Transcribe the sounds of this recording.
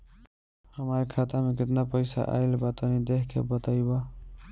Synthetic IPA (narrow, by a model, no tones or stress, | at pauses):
hʌmaɾkʰat̪ameket̪napʌjsa̰ʔa̰jlebat̪ʌnid̪ekʰkʰḛbʌt̪ajbʌ